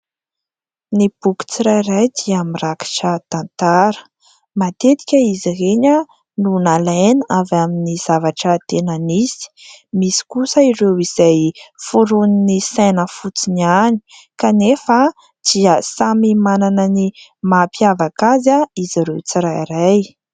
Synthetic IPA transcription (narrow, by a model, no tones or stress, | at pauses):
nib̥uku̥t͡siɾajɾajd̪iamiraki̥ʈ͡ʂət̪ant̪aɾə̥ | mat̪et̪i̥kʲəiziɦeɲə | nunalejnavaminiz̥avaʈ͡ʂət̪enənisi̥misi̥kusəiɾewiz̥ajfuɾuninisajnəfut͡sinani̥kanefa | d̪̥iəsamimananənimapjavakazaiziɾewt͡siɾajɾaj